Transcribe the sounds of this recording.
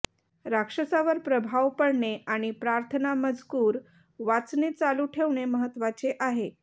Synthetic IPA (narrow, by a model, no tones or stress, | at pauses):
ɾakʂəsaʋəɾpɾəbʱaʋpəɽɳeʔaɽ̃ipɾaɾt̪ʰənaməd͡zkuːɾ | ʋat͡snit͡saluːʈʰeʋɳeməɦət̪ʋat͡seʔaɦe